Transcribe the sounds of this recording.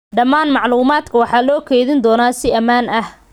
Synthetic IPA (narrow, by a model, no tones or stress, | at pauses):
ɖɐmaːnmɑʕluːmaːd̪kʰɐwɑħɑːlɔːkʰɛjðɪnd̪ɔːnaːsɪɐmaːnɐh